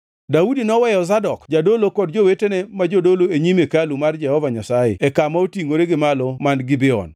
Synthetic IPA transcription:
daudinɔwɛjɔzadɔkd͡ʒadolokɔdd͡ʒowetenɛmad͡ʒodoloeɲimekalumard͡ʒɛhɔvaɲasajḛɛkamaotiŋoɾeɡɪmalɔmanɡibɪɔ̰n

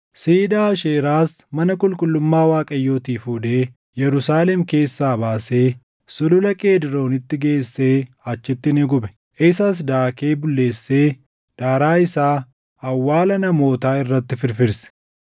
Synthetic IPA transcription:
siːd̪aːʃeːɾaːsmɐnɐkʼʊlkʼʊlːʊmːaːwaːkʼɐjːo̞ːt̪iːfuːd̪eː | jɛɾʊsaːlɛmke̞ːsːaːbaːse̞ː | sʊlʊlɐkʼeːd̪ɪɾo̞ːnɪt̪ːɪɡe̞ːsːe̞ː | ɐt͡ʃːɪt̪ːɪnɪɡʊbɛ̥ | ʔeːsas̬d̪aːkeːbʊlːe̞ːsːe̞ː | d̪̥aːɾaːɪsaː | ɐwːaːlɐnɐmo̞ːt̪aːɪrːɐt̪ːɪfɪɾfɪɾsɛ̥

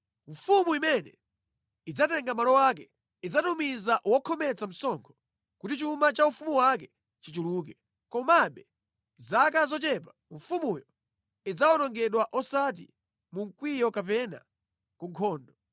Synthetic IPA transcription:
ɱ̩fumuimɛnɛ̰ | id͡zatɛŋɡamalɔwak̬ɛ | id͡zatumizaʔwɔkʰɔmɛt͡sam̩sɔŋkʰɔ̥ | kutit͡ʃumat͡ʃaufumuwakɛ | t͡ʃit͡ʃuluːk̬ɛ | kɔmaɓɛ | zakazɔt͡ʃɛpaɱfumujɔ | id͡zawɔnɔŋɡɛɗwaʔɔsat̬ḭ | muŋ̩kwijɔkapɛna̰ | kuŋkʰɔːndɔ

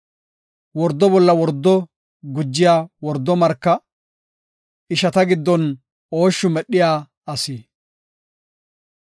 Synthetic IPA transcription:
wɔɾd̪ɔbɔlːɐwɔɾd̪ːɔ | ɡʊd͡ʒːɪjaːwɔɾd̪ːɔmɐɾkːɐ | ɪʃɐt̪ɐɡɪd̪ːɔn | oːʃːʊmɛɗːɪjaː | ɐsiː

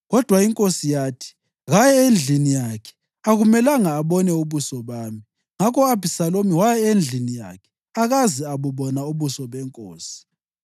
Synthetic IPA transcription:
ɣɔd̥ʱwaiŋkʼosijaːtʰi̥ | ɣajɛend͡ɮʱinijakʰɛ̥ | aɣumɛlaŋaːβɔnɛuβusɔβaːmi | ŋakʰɔabʱisalomiwajɛend͡ɮʱinija̰kʰɛ̥ | aɣaziaβuβɔnauβusɔβɛŋkʼoːsi̥

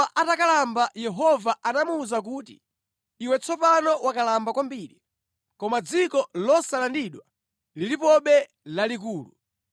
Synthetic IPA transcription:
aʔatakalambajɛɦɔvaʔanamuːzak̬uːtḭː | wɛt͡sʰɔpanɔwakalambakwambiːɾi | kɔmad͡zikɔlɔsalandiɗwa | lilipɔɓɛ | lalik̬uːlu

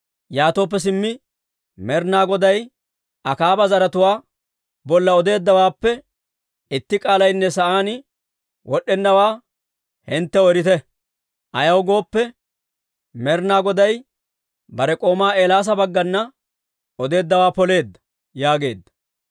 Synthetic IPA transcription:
jaːt̪oːp̬ːɛs̬ɪmːɪ | mɛɾnaːɡɔd̪ɐj | ɐkaːbɐzɐɾɐt̪ʊwaː | bɔlːɐɔd̪e̞ːd̪ːɐwaːpːɛ | ɪt̪ːɪkʼaːlɐjnːɛsɐʔaːnɪ | wʔɔɗːɛnːɐwaː | hɪnt̪ːɛɔɛɾɪt̪ɛ | ʔɐjɐwɡo̞ːpːɛ | mɛɾnaːɡɔd̪ɐj | bɐɾɛkʼo̞ːmaːeːlaːs̬ɐbɐɡːɐnːɐ | ɔd̪e̞ːd̪ːɐwaːpɔle̞ːd̪ːɐ̥ | jaːɡe̞ːd̪ːɐ̥

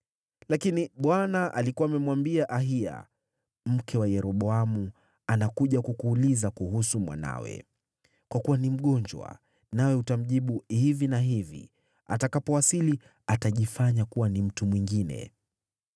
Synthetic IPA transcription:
lakiniɓwanaʔa̰likuwaːmɛmwambiaʔaɦia̰ | m̩kʰɛwajɛɾɔɓɔamu | anakuʄakukuːlizakuhusumwa̰na̰wɛ̰ | kwakuwanim̩ɠɔɲd͡ʒwa̰ | nawɛutam̩ʄiɓuhivinaɦivḭ | a̰takapɔwasili | ataʄifaɲakuwanim̩tumwiŋɡinɛ̰

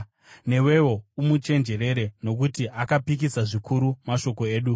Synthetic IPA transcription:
ne̞we̞wo̞umut͡ʃe̞nd͡ʒe̞ɾe̞ɾe̞no̞k̬utiʔakapik̬isaʐikʰuɾumaʃo̞ko̞e̞ːɗu

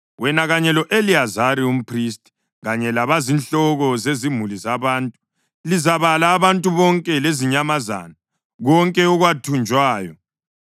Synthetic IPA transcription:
wɛnaɣaɲɛlɔʔeliazaɾium̩pʰris̬tʼi̥ | ɣaɲɛlaβazinɬɔɣɔzezimulizaβaːntʼu̥ | lizaβalaːβantʼuβɔŋkʼɛleziɲamaza̰ːna | ɣɔŋkʼɛɔɣwatʰund͡ʒʱwaːjɔ

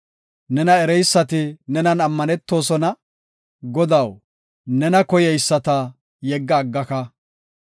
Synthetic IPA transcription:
nɛnɐɛɾɛjsːɐt̪ɪnɛnɐnɐmːɐnɛt̪ːo̞ːsɔnɐ | ɡɔd̪ɐw | nɛnɐkɔjɛjsːɐt̪ɐ | jɛɡːɐːɡːɐkɐ

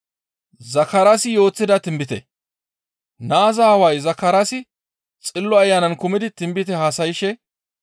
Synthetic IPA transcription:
zɐkɐɾɐsɪjo̞ːt͡sːɪd̪ɐt̪ɪmbɪt̪ɛ̰ | naːzaːwɐjzɐkːɐɾasɪ | t͡sʼɪlːɔɐjːaːnɐnkʊmɪd̪ɪt̪ɪmbɪt̪ɛhaːsɐjɪʃɛ

